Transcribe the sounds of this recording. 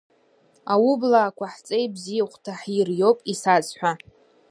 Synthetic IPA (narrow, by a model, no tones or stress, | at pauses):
awublaːkʷʰaħt͡sʼejbzijaχʷtʰaħirjo̞wpʼisat͡sħʷa